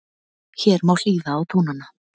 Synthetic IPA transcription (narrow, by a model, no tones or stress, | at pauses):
çɛːɾmawl̥iːðaːwt̪ʰuːnanːa